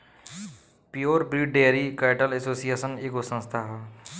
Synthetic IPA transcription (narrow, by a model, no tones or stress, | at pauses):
pijoːɾbɾiɖɖeɾikaɪʈəlesoːsijesənekosə̃nst̪ʰaɦ